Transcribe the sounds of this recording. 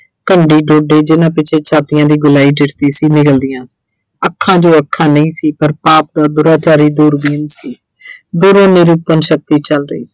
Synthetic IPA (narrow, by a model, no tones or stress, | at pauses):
kəɳɖiːɖoːɖeːd͡ʒɪnãːpɪt͡ʃʰeːt͡ʃʰaːt̪ɪjãːd̪iːɡʊlaːiːd͡ʒɪʈt̪iːsiːnɪkəld̪ɪjãːsi̥ː | əkʰːãːd͡ʒoːəkʰːãːnəĩːsiːpəɾpaːp̚d̪aːd̪ʊɾaːt͡ʃaːɾiːd̪uːɾbiːnsiː | d̪uːɾõːneɾup̪ənʃək̚t̪iːt͡ʃəlɾəḭːsi̥ː